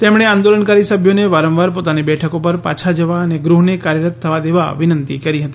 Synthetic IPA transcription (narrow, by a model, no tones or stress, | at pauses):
t̪emɽ̃eãnd̪oləɳkaɾisəbʱjoneʋaɾə̃mʋaɾpot̪anebɛʈʰəkopəɾpa̰t͡ʃʰad͡ʒəʋaəneɡɾuɦnekaɾjəɾət̪ʰːəʋad̪eʋa̰ʋɪnənt̪ikəɾiɦət̪i̥